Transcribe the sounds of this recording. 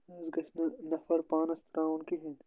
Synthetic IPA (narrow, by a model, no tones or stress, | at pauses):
ɐzɡɐt͡ʃnnɐfɐɾpãːnɐst̪ɐɾãːunkiɦẽn